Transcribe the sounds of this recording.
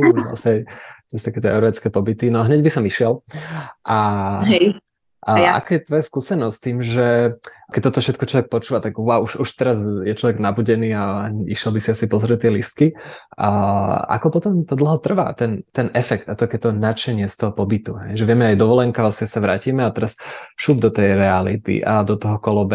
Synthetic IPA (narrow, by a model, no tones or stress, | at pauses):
a̰sajt̪ɛst̪akɛːt̪ɛɛʊɾʋɛt͡skɛːpɔbit̪inɔɦɲɛɟbisɔmiʃɪɛlʔaɦɛ | ʔʔa̰kɛjɛt̪ʋɔjaskuːsɛnɔsʲt̪iːmʒɛ | kɛc̚t̪ɔt̪ɔfʃɛt̪kɔt͡ʃlɔʋɛk̚pɔt͡ʃuːʋat̪aɡauʃuʃt̪ɛɾazjɛt͡ʃlɔʋɛɡnabuɟɛniːaḭʃɪɛlbisiasipɔzɾɛt̪ːɪɛlist̪̚ki | a̰kɔpɔt̪ɔmt̪ɔd̪l̩ɦɔt̪r̩ʋa̰t̪ɛnt̪ɛnʔɛfɛkt̪at̪ɔkɛt̪ɔnat͡ʃɛɲɪɛst̪ɔɦɔpɔbit̪uɦɛjʒɛʋɪɛmɛajd̪ɔʋɔlɛŋkalasɪsaʋɾa̰ːciːmɛat̪ɛɾasʃuːb̚d̪ɔt̪ɛjɾɛalit̪ḭʔad̪ɔt̪ɔɦɔkɔlɔbɛ